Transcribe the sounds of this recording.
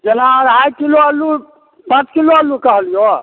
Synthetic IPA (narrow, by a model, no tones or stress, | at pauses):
d͡ʒenaɔɾajkiloəlːu | pə̃t͡ʃkiloəlːukəɦəlijo